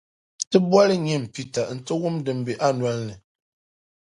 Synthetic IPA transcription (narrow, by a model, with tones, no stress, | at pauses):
tɨ˦bwa˦lɨ˦ɲɛ˦˨m˨pi˦ta˨n̩˨tɨ˦wu˦mdɨ˨m˦bɨ˨ʔa˦n˨a˦n˦lɨ˨